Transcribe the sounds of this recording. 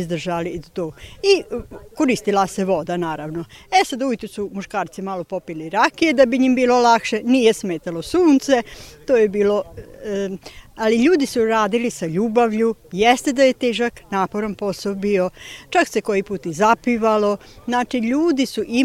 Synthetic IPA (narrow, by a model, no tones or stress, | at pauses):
zd̪r̩ʒalit̪oːikoɾist̪ilˠaseʋo̞d̪anaːɾaʋno̞esad̪ujet̪esumuʃkaːɾt̪simaːlˠo̞po̞piliɾakied̪abiɲimbiːlo̞lakʃe̞nije̞smeːt̪alo̞suːnt̪se̞t̪oːjebiːlo̞ | aliʎuːd̪isuɾaːd̪ilisaʎuːbaʋʎujest̪e̞d̪aje̞t̪eːʒaknaːpo̞ɾanpo̞solbio̞t͡ʃakse̞ko̞jipuːt̪izapiʋalo̞znaːt͡ʃiʎuːd̪isuʔi